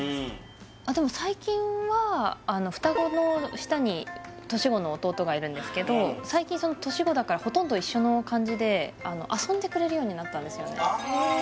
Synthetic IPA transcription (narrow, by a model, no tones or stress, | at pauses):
ad̪e̞mo̞saikʲĩɰ̃βaːno̞ɸɯ̟̥t̪aɡo̞no̞ɕi̥t̪aɲ̟i | t̪o̞ɕiɡo̞no̞ːt̪o̞ːt̪o̞ɡaiɾɯ̟̃nd̪e̞sɨ̥ke̞d̪o̞saikʲĩso̞not̪o̞ɕiɡo̞d̪akaɾaho̞t̪õnd̪o̞iɕːo̞no̞kãɲ̟d͡ʑid̪e̞ano̞̰ʔasõ̞nd̪e̞kɯ̟ɾe̞ɾɯ̟jo̞ːɲ̟inat̪ːãnd̪e̞sɨjo̞̰ne̞̰